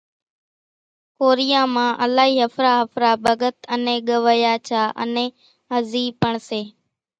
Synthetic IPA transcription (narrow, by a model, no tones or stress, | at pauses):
koːɾɪjãːmãːʔəlaːɦiːɦəfɾaːɦəfɾaːbəɡət̪ənẽːɠəʋəjaːt͡ʃʰaːʔə̰nẽː | əziːpəɳseː